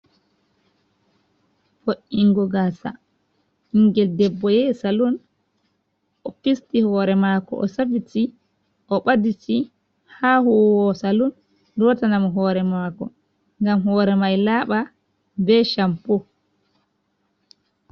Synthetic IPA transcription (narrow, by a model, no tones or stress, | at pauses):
foʔiŋɡɔɡasa̰ | hiŋɡɛldɛbːɔjɛsalun | ʔɔpistihɔːɾɛmaːkɔ̰ʔɔ̰sabiti | ʔɔɓadisi | hahuwɔsalun | dɔtanamɔɦɔːɾɛmakɔ̰ | ŋɡamhɔːɾɛmajlaɓa | bɛʃampɔ